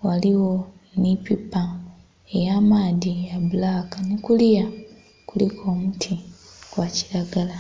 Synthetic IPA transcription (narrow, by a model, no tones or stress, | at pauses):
waliwo̞nipipːa | ejaːmaːdijabulakanekulija | kulikʰo̞ːmutʰikwaciɾaɡala